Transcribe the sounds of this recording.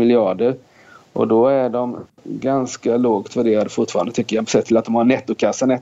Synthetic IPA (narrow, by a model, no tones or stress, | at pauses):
ɪlɪɑːɖəɾ | ʔɔ̰d̪ɔæɖɔm | ɡanskaloːɡt̪ʰvæɖeːɾad̪əfʊʈfɑːɾand̪ət̪ʏkːəjapɔ̥sɛt̪ʰːɪlat̪d̪ɔmhanɛt̪ːʊkʰasːanɛ